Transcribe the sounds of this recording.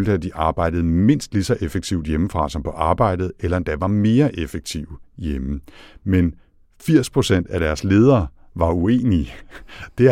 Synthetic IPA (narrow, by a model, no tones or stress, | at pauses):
øld̥əæd̥iʔɑ̈ːb̥ɑ̈ɪ̰d̥ð̞̩ˠme̝n̰sd̥lisɒ̽ʔefeɡ̥̚t͡sʰiʊd̥jeməfʁɑ̈sɒmpʰɒ̽ʔɑ̈ːb̥ɑ̈ɪ̰d̥ð̩ˠelɐend̥æʋɑ̈me̝ːɐʔefeɡ̥̚t͡sʰiʊ̰jeməmen | fiɐ̰spʰʁo̝sen̰d̥æɾ̥æɐsle̝ːð̞ˠɐː | ʋɑ̈ue̝̰ːni | d̥e̝